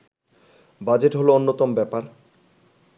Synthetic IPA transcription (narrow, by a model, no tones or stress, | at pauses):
bad͡ʑeʈɦoloonːot̪ombɛpaɾ